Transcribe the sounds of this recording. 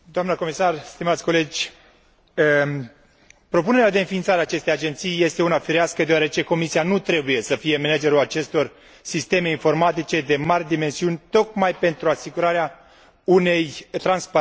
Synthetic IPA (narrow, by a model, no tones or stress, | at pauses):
d̪oamnəko̞misarst̪imat̪sʲko̞le̞d͡ʒʲ | pɾo̞puneɾad̪e̞ɨnfint̪saɾeaːt͡ʃe̞st̪e̞jad͡ʒe̞nt̪sijje̞st̪e̞unafiɾeaskəd̪eoaɾe̞t͡ʃe̞ko̞misianut̪ɾe̞buje̞səfije̞mened͡ʒe̞ɾulat͡ʃe̞st̪o̞r | sist̪e̞me̞info̞rmat̪it͡ʃe̞d̪e̞marʲd̪ime̞nsiunʲt̪o̞kmajpe̞nt̪ɾuasiɡuɾaɾea | une̞jt̪ɾansp